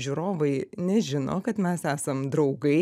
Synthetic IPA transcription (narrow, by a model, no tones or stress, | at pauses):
ʒʲʊɾoːʋɐɪnʲɛʒʲɪno̰ːkɐt̪mʲɛsæːsɐmd̪ɾɐʊɡɐɪ